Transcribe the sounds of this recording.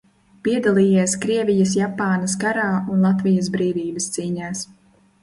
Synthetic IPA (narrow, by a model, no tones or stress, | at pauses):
piɛd̪alˠiːjiɛskɾiɛvʲijɐsjapaːnɐskaɾaːunlˠat̪vijɐs̬bɾiːvʲiːbɐst̪siːɲaːs